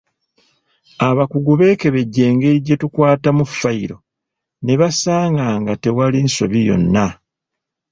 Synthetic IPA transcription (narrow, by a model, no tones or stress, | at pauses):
aβakuɡuβe̞ːke̞βe̞ɟːe̞ːŋɡe̞ɾiɟetukwaːtamufːaiɾo̞ | ne̞βasaːŋɡaːŋɡate̞walinso̞̰βijo̞̰nːa